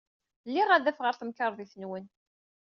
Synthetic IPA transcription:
lːiʁæðæfʁəɾθəmkəɾˤðiθənwən

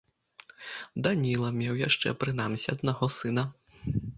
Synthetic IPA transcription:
d̪anʲilˠɐmʲɛwjaʂt͡ʂɛ̰pɾɨnamsʲiɐd̪naɣɔsɨnɐ

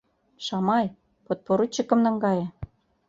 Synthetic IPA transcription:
ʃɑmɑj | pot̪̚poɾut͡ɕːə̆kɤ̆mnɤ̆ŋɡɑjĕ

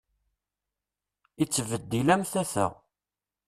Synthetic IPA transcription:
it͡sːvəd̪ːilæmθæθə̰ʁ

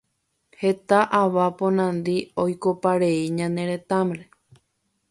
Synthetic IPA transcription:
he̞t̪aʔaʋapõ̞nãnd̪iojko̞paɾeiɲãnẽ̞ɾe̞t̪ãmɾe

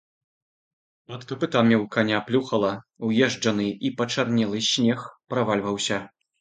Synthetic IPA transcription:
ɐt̪kɐpɨt̪amʲiwkanʲaplʲuxɐlˠɐwjɛʐd͡ʐɐnɨipɐt͡ʂarnʲɛlˠɨsʲnʲɛxpɾavalʲvɐwsʲɐ

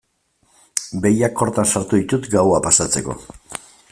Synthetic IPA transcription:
be̞jakːo̞ɾt̪ansaɾt̪uðit̪ut̪ɡawapasat͡se̞ko̞̰

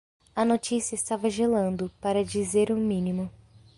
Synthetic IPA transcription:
ɐnot͡ʃisiɐɪst̪avɐʒelɐ̃nd̪ʊpaɾɐd͡ʒizeɾʊ̃mĩnimʊ

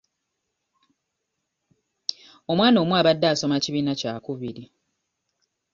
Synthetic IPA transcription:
o̞mwaːno̞ːmwaːβadːaːso̞maciβiːnacaːkuβiɾi

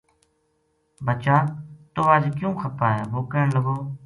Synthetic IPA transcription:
bət͡ʃaːt̪oːʋaːd͡ʒkjũːxʰəpaːɦɛːboːkəːɳləɡoː

